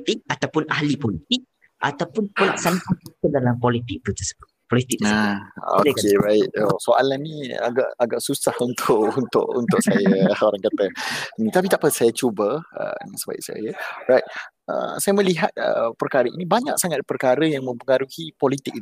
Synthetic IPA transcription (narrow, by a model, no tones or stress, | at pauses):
t̪ɪk̚at̪awpʊnahlipɔlit̪ɪk̚ | ʔa̰t̪apʊnpəlaʔsanaʔatikədalampɔlit̪ɪk̚t̪ut̪əsəbʊt̪̚pɔlit̪ik̚nao̰keɾaɪt̪̚osoʔa̰lanĩa̰ɡa̰ʔaɡaʔsusahunt̪ʰʊʔunt̪ʊ̰ʔunt̪ʊʔsajaoɾaŋkat̪ənĩt̪apit̪aʔpəsajat͡ʃubəə̰naŋsəba̰ʔsa̰jərajt̪̚ | ə̰sajəmə̃liɦat̪̚ə̰pərkaɾəḭnibaɲa̰k̚saŋat̪̚pərkaɾəjaŋmə̃mpəŋaɾuhipɔlit̪ɪk̚i